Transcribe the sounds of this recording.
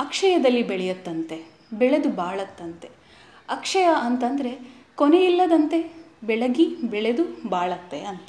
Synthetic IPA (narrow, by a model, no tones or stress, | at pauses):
ɐkʂɐjɐd̪ɐlːibɛɭɛjɐt̪ːɐnt̪e̞ | bɛɭed̪ubaːɭɐt̪ːɐnt̪e̞ | ɐkʂɐjɐʔɐnt̪ɐnd̪ɐɾe̞ | koneilːɐd̪ɐnt̪e̞bɛɭɐɡibɛɭe̞d̪ubaːɭɐt̪ːḛɐnt̪